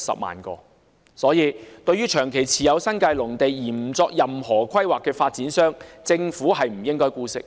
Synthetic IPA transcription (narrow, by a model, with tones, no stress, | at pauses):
sɐ̰˨p̚ma̰ː˨˩nkɔ̰ː˧ | sɔː˨˥jiː˨˧t̪ɵ˧ɥyː˥t͡ʃʰœː˨˩ŋkʰe˨˩jt͡sʰiː˨jɐ˨˧wsɐ˥nkaː˧jlʊ˨˩ŋt̪e˨jjiː˨˩m̩˨˩t͡sɔː˧k̚jɐ˨mhɔː˨˩kʰɐ˥jwaː˨kːɛː˧faː˧t̚t͡siː˨˥nsœː˥ŋt͡sɪ˧ŋfuː˨˥ɦɐ˨jm̩˨˩jɪ˥ŋkɔː˥jkuː˥sɪ̰˥k̚